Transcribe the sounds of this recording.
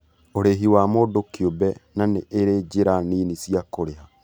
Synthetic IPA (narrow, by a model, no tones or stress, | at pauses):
oɾeɦiwamodokiobɛnaneʔeɾed͡ʑeɾaninisiakoɾeɦa